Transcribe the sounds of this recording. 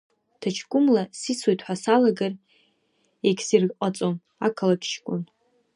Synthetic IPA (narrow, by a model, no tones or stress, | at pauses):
tʰat͡ʃʰɡʷʼʊmlasisʰwejtʼʰħʷasalaɡar | ekʲsirqʼat͡sʼom | akʰalakʰʲʃʰkʷʼʊn